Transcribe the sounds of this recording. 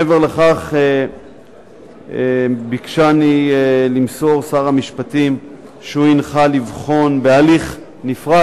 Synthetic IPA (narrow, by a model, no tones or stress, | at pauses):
eveʁleχaχe | bikʃanielimso̞ʁsaʁamiʃpatim | ʃeuinχalivχo̞nbealiχ | nifʁa